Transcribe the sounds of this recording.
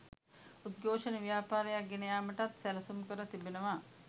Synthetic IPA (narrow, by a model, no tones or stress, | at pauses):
ud̪̚ɡoːʂəneʋjaːpaːɾəjak̚ɡenɐjaːməʈat̪sɛlɐsumkəɾət̪ibenəʋa